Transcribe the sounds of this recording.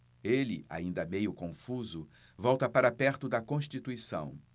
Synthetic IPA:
elɪ̰a̰ĩnd̪ɐmejʊkõfuzʊ | vɔwt̪ɐpaɾapɛɾt̪ʊd̪ɐkõʃt͡ʃit̪uisɐ̰̃w̃

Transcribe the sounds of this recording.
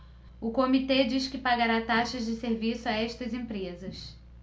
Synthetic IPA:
ʊkomit̪ed͡ʒiʃkɪpaɡaɾat̪aʃɐzd͡ʒɪseɾvisʊaɛʃt̪ɐzẽmpɾezɐs

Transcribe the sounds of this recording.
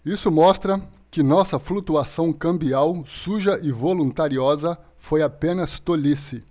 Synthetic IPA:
isʊmɔst̪ɾɐkɪnɔsɐflut̪uasɐ̃w̃kɐ̃mbiawsuʒɐʔɪvolũnt̪aɾiɔzɐ | fojapẽnɐst̪olisɪ

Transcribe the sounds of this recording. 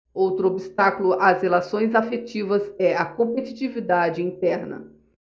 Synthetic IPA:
owt̪ɾʊobist̪akʊlʊazelasõj̃zafet͡ʃivɐzɛɐkõpet͡ʃi̥t͡ʃivid̪ad͡ʒɪĩnt̪ɛɾnɐ̰

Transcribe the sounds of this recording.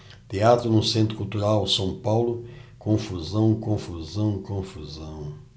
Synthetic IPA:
t̪eat̪ɾʊnʊsẽnt̪ɾʊkult̪uɾawsɐ̃w̃pawlʊkõfuzɐ̃w̃kõfuzɐ̃w̃kõfuzɐ̃w̃

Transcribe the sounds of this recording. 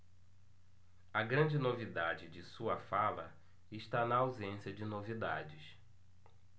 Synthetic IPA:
ɐɡɾɐ̃d͡ʒɪnovid̪ad͡ʒɪd͡ʒɪsuɐfalɐ̰ | ɪʃt̪anɐawzẽsiɐd͡ʒɪnovid̪a̰d͡ʒɪs

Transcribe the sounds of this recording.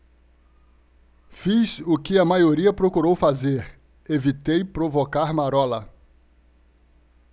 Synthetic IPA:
fizʊkɪɐmajoɾiɐpɾokuɾowfazeɾ | evit̪ejpɾovokaɾmaɾɔlɐ

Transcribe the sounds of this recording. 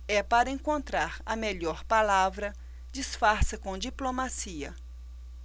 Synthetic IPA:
ɛpaɾɐẽkõnt̪ɾaɾɐmeʎɔɾpalavɾɐ | d͡ʒisfaɾsɐkõd͡ʒiplomasiɐ̰

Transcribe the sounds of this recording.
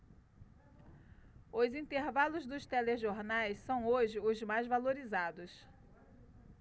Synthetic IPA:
ʊzĩnt̪eɾvalʊzd̪ʊst̪ɛleʒoɾnajsːɐ̃w̃oʒɪʊzmajzvaloɾizad̪ʊs

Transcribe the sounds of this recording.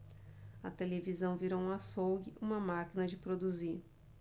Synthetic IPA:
ɐt̪elevizɐ̃w̃viɾow̃ɐsowɡɪʔũmɐmakinɐd͡ʒɪpɾod̪uziɾ

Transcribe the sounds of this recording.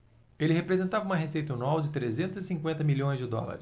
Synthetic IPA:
elɪhepɾezẽnt̪avɐũmɐɦesejt̪ɐnwawd͡ʒɪt̪ɾezẽnt̪ʊzɪsĩŋkwẽnt̪ɐmilõj̃zd͡ʒɪd̪ɔ̰la̰ɾɪs

